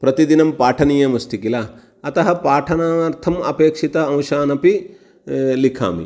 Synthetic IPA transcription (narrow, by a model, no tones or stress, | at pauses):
pɾɐt̪id̪inɐmpaːʈʰɐniːjɐmɐst̪ikilaː | ɐt̪ɐɦɐpaːʈʰɐnaɾt̪ʰɐmɐpeːkʂit̪ɐɐ̃w̃ʃaːnɐpi | likʰa̰ːmḭ